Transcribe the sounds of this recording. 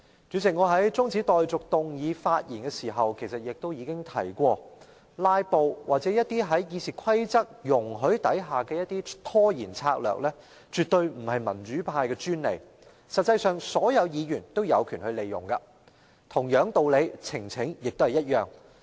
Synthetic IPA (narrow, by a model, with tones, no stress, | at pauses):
t͡ʃyː˨˥sɪ˨k̚ŋɔː˨˧ɦɐ˨˥jt͡sʊ˥ŋt͡si˨˥t̪ɔː˨jt͡sʊ˨k̚t̪ʊ˨ŋjiː˨˧faː˧t̚jḭː˨˩nkɛː˧siː˨˩ɦɐ˨wkʰe˨˩jsɐ˨t̚jɪ˨k̚t̪o˥wjiː˨˧kɪ˥ŋt̪ʰɐ̰˨˩jkʷɔː˧ | laː˧jpo˨wwaː˨t̚t͡sɛː˨˥jɐ˥t̪̚iː˥ɦɐ˨˥jjiː˨˧siː˨˩kʷʰɐ˥jt͡sɐ˥k̚jʊ˨˩ŋɦɵ˨˥ɥt̪ɐ˨˥jɦaː˨kɛː˧jɐ˥t̚t̪iː˥t̪ʰɔː˥jiː˨˩nt͡sʰaː˧k̚lœ̰ː˨˩k̚lɛː˥ | t͡ʃyː˨t̚t̪ɵ˧ɥm̩˨˩hɐ˨jmɐ˨˩nt͡ʃyː˨˥pʰaː˧jkɛː˧t͡ʃyː˥nlḛ˨˩j | sɐ˨t̚t͡sːɐ˧jsœː˨ŋsɔː˨˥jɐ˨˧wjiː˨˧jyː˨˩nt̪o˥wjɐ˨˧wkʰyː˨˩nhɵ˧ɥle˨jʊ̰˨˩ŋkɐ˧ | t̪ʰʊ˨˩ŋjœː˨˥ŋt̪o˨wle˨˧jt͡sʰɪ˨˩ŋt͡sʰɪ˨˥ŋjɪ˨k̚t̪o˥hɐ˨˩jɐ˥t̚jœː˨˩ŋ